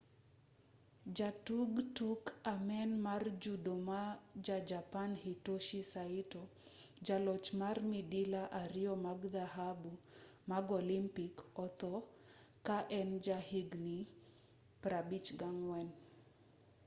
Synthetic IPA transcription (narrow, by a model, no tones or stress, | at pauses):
d͡ʒatuɡtukamɛnmard͡ʒudomad͡ʒad͡ʒapanhitoʃisaito | d͡ʒalɔt͡ʃmarmidilaʔaɾiɔmaɡd̪aɦabu | maɡolimpikɔt̪ɔ | kaʔɛnd͡ʒahiɡni | pɾabit͡ʃɡaŋwɛn